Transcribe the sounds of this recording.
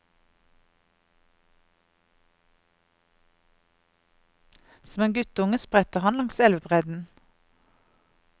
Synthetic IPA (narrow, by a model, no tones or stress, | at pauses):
sɔmeːnɡʉt̪ʊŋəspʁɛt̪əʁhɑnlɑŋsɛlʋbʁɛd̪n̩